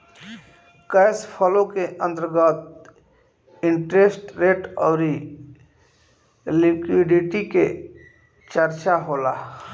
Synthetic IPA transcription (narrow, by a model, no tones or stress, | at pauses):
kəɪspʰəlõkeʔə̃nt̪əɾɡət̪̚ | ɪɳʈɾesʈɾeːʈɔːɾi | likwiɖiʈike | t͡ʃəɾt͡ʃaɦoːla